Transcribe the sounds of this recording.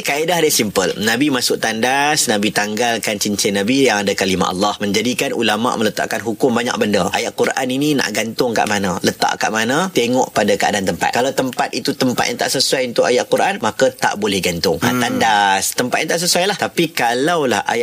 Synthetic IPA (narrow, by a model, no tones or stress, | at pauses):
kaedaɦdasimpəlnabimasʊk̚t̪andasnabit̪aŋɡalkant͡ʃiɲt͡ʃɛnabijaŋadakalima̰ʔɑ̰lːɑhmə̃ɲd͡ʒadikanʔṵlama̰ʔmə̃lət̪a̰ʔkanɦukʊmbaɲa̰k̚bəndaʔajaʔkuɾʔaninina̰ʔɡant̪ʊŋka̰ʔmanãlət̪a̰ʔka̰ʔmanãt̪eŋɔʔpadakəa̰dant̪əmpa̰t̪̚kalawt̪əmpat̪̚it̪ut̪əmpat̪̚jãnt̪a̰ʔsəsuajunt̪ʊʔajaʔkuɾʔanmakat̪a̰ʔbolɛhɡant̪ʊŋa̰t̪andast̪əmpat̪ʔant̪aʔs̬əsuajlaht̪apikalawlaha̰ja